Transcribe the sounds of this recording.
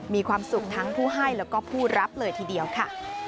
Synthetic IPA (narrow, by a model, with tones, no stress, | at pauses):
miː˧kʰwaː˧msu˨˩k̚t̪ʰa˦˥ŋpʰuː˥˩ɦa˥˩jɾɛː˦˥wkɔː˥˩pʰuː˥˩ɾʔa˦˥p̚lɤː˧jt̪ʰiː˧˩di˧əwkʰa˥˩